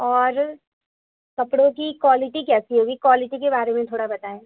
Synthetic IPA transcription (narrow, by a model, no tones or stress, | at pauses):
ɔːɾ | kɐpɽõkikwaːlɪʈikɛːsiɦoːɡikwaːlɪʈikebaːɾemẽt̪ʰoːɽabɐt̪aɦɛː